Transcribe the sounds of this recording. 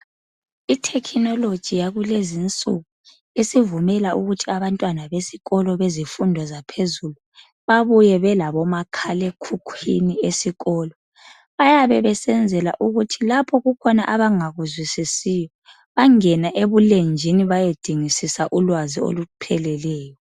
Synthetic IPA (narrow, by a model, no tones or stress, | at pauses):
itʰɛkʰinɔlod̥ʒ̥ʱijaɣulezint͡sʼṵɣu | esivumɛlaʔuɣutʰiaβantʼwanaβesi̥ɣɔlɔβezifundʱɔzapʰezulu | βaβujɛβɛlaβɔmakʰalɛkʰukʰwḭniesiɣɔːlɔ | βajaβɛβɛsɛnd͡zʱɛla̰ʔuɣutʰilapʰɔɣukʰɔnaʔaβaŋaɣuzwisisijɔ | βaŋɛnaʔeβulend͡ʒʱiniβajod̥ʱiŋisisaʔulwazio̰lupʰɛlɛlɛːjɔ